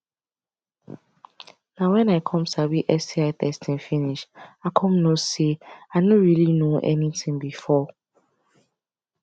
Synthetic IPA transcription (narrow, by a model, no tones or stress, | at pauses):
nãwɛ̃naɪkʰɔ̃msabiʔɛsiatʰɛstʰɪ̃nfĩniʃakʰɔ̃mnõseaɪnɔ̃ɹilinõʔɛ̰nĩtʰĩŋbifɔ